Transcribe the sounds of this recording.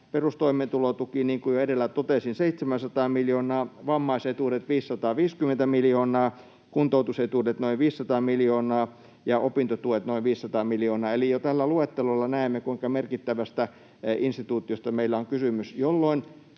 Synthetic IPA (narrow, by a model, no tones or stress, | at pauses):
perust̪oiment̪ulot̪ukiniːŋkujoedelːæt̪ot̪esinseit̪semænsɑt̪ɑːmiljoːnɑːʋɑmːɑiset̪uːdet̪ʋiːsːɑt̪ɑːʋiːskymːˑent̪æmiljoːnɑː | kunt̪out̪uset̪uːdet̪noiʋʋiːsːɑt̪ɑːmiljoːnɑː | jɑʔopint̪ot̪uet̪noiʋʋiːsːɑt̪ɑːmiljoːnɑːelijot̪ælːæluet̪ːelolːɑnæˑemːekuiŋkɑmerkit̪ːæʋæst̪æ | inst̪it̪uːt̪iost̪ɑmeilːæoŋkysymysjolːoin